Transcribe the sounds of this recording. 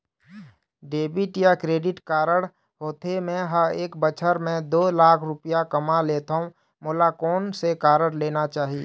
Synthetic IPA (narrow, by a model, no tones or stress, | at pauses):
ɖeːbɪʈjakɾeːɖɪʈkaːɾəɽ | ɦoːt̪emẽɦəɾeːkbət͡ʃʰəɾmẽd̪oːlaːkʰɾʊpijakəmaleːt̪aũ | moːlakoːnsekaːɾəɽleːnat͡ʃaːɦieː